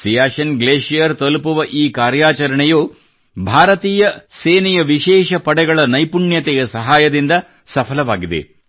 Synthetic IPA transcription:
sijaːʃɐnɡleːʃijɐɾt̪ɐlpuʋɐʔiːkaːɾjaːt͡ʃɐɾɐɳɛjoː | bʱaːɾɐt̪iːjɐseːnɛjɐʋiʃɛːʃɐpɐɽɛɡɐɭɐnɐjpuɳjɐt̪ɛjɐsɐɦaːjɐd̪ind̪ɐ | sɐpʰɐlɐʋaːɡid̪e̞̰

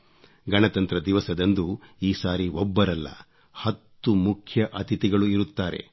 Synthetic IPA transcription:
ɡɐnɐt̪ɐnt̪ɾɐd̪iʋɐsɐd̪ɐnd̪uiːsaːɾiɔbːɐɾɐlːɐ̰ | hɐt̪ːumukʰjɐʔɐt̪it̪iɡɐɭuiɾut̪ːaːɾe̞̰

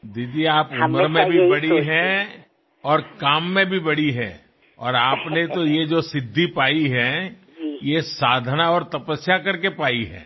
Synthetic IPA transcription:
d̪iːd̪ieaːpʊʊməɾmẽbʱibɐɽiɦɛ | ɔːɾkaːmːẽbʱibɐɽiɦɛː | ɔ̰ːɾaːpnet̪ojed͡ʒosɪd̪ʱːipaːiɦɛ | jesaːd̪ʱnaɔːɾt̪ɐpəsjakɐɾkepaːiɦɛ̰ː

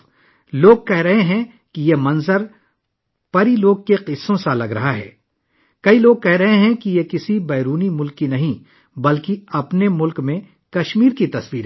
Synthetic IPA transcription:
loːɡ̚kɛɦɾɐɦeɦɛ̃ | kijemɐ̃nzəɾ | pɐɾiloːɡ̚keqɪsːõsalɐɡɾɐɦaɦɛ̰ː | kɐiloːɡ̚kɛɦɾɐɦẽɦɛ̃kijekɪsibɛːɾuːnimʊlkːinɐɦĩ | bɐlkiɐpnemʊlkmẽ | kɐʃmiːɾkit̪ɐswiːɾ

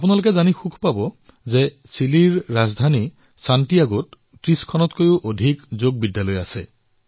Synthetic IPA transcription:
apunalok̬ezanixukʰpabɔ | ze | siliɹːazd̪ʱani | sanʈiaɡot | tɹiskʰɔnɔt̪kojuʔodʱikzoɡ̚bidjalɔjasḛ

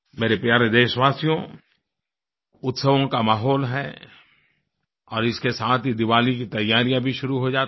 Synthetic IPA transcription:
meːɾepjaːɾed̪eːʃʋaːsjõ | ʊt̪səʋõkamaːɦɔːlɦɛ | ɔːɾɪskesaːt̪ʰid̪ɪʋaːlikit̪ɐjːaːɾijãbʱiʃʊɾuɦod͡ʒaːt̪

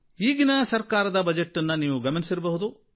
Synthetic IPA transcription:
iːɡinɐsɐɾkaːɾɐd̪ɐbɐd͡ʒeʈːɐnːɐniːʋuɡɐmɐnisiɾɐbɐɦud̪u

